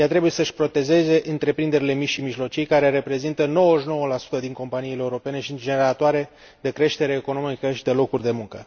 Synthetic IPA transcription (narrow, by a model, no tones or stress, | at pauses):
jat̪ɾe̞buje̞səʃpɾo̞t̪e̞ze̞ze̞ʔɨnt̪ɾe̞pɾind̪e̞ɾile̞mit͡ʃʃimiʒlo̞t͡ʃijkaɾe̞ɾe̞pɾe̞zint̪əno̞wəʃno̞wəlasu̥t̪əd̪iŋko̞mpaniːleeuɾo̞pe̞ne̞ʃind͡ʒeneɾat̪oaɾe̞ | d̪e̞kɾe̞ʃt̪e̞ɾeːko̞no̞mikəʃid̪e̞lo̞kurʲd̪e̞muŋkə